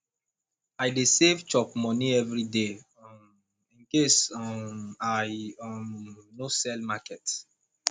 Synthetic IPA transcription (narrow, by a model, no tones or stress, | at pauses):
aɪdesevt͡ʃɔpmɔniɛvɹide | ĩnkes | aj | nosɛlmakɛt